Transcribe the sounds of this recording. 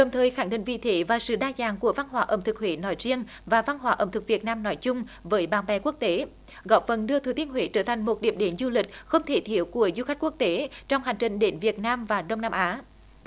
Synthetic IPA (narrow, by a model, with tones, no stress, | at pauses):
ɗə˨˩ŋ͡mt̪ʰəː˨˩jxaː˧˩ŋɗḭ̈˧˨˩ŋ̟vḭ˧˨t̪ʰe˨˦vaː˨˩sɨ̰˧˨ɗaː˧zaː˨˩ŋku˧˩əva˧nɦwaː˨˦ʔə̰˨˧˩ŋ͡mt̪ɨ˨˩k̚hwḛ˧˨˦nɔ˨˦jzi˧ən | vaː˨˩va˧nɦwaː˧˦ʔə̰˧˩ŋ͡mt̪ɨ˨˩k̚vi˨˩ət̚naː˧mnɔ˨˦jt͡ɕʊ˧ŋ͡mvəː˨˦jɓaː˨˩nɓɛ˧˩ku˦˥ək̚t̪e˨˦ | ɣɔ˧˩p̚fə˨˩nɗɨ˧ət̪ʰɨ˨˩t̪i˧ənhwḛ˧˨˦t͡ɕəː˧˩t̪ʰjŋ̟mo˨˩t̚ɗi˧˩əmɗe˨˦nzu˧lï˨˩k̟̚xə˧wŋ͡mt̪ʰe˧˩˦t̪ʰi˧˩əwku˧˩əzu˧xa˦˥k̟ku˦˥k̚t̪e˨˦t͡ɕɔ˧wŋ͡mha˨˩jŋ̟t͡ɕï˨˩ŋ̟ɗe˨˦nvi˨˩ət̚naː˧mvaː˨˩ɗə˧wŋ͡mnaː˧mʔaː˨˦